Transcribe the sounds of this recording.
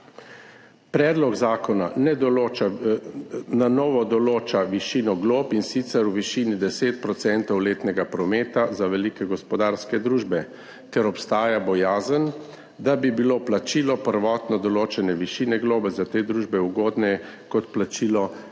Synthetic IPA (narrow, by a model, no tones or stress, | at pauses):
pɾɛːd̪lɔɡzaːkɔnanɛa | nanɔːʋɔd̪ɔloːt͡ʃaʋiʃiːnɔɡloːpinsit̪sɛɾuʋiʃiːnid̪ɛseːt̪̚pɾɔt̪sɛnt̪ɔwleːt̪nɛɡapɾɔmeːt̪azaʋɛlikɛɡɔspɔd̪aːɾskɛd̪ɾuːʒbɛ | t̪ɛɾɔpst̪aːjabɔjaːzən | d̪abibiloplat͡ʃiːlɔpəɾʋɔːt̪nɔd̪ɔloːt͡ʃɛnɛʋiʃiːnɛɡloːbɛzat̪eːd̪ɾuːʒbɛuɡoːd̪nɛ | kɔt̪plat͡ʃiːlɔ